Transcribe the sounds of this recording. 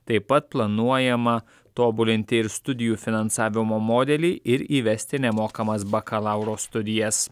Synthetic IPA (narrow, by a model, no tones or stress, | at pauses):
t̪ɐɪpɐt̪̚plˠɐnuɔjɛmɐ | t̪oːbʊlʲɪnʲt̪ʲɪɪɾst̪ʊd̪ʲɪjuːfʲɪnɐnsɑːʋʲɪmoːmoːd̪ʲɛlʲiːʔɪɾiːʋʲɛsʲt̪ʲɪnʲɛmoːkɐmɐsbɐkɐlˠɑˑʊɾoːst̪ʊd̪ʲɪjɛs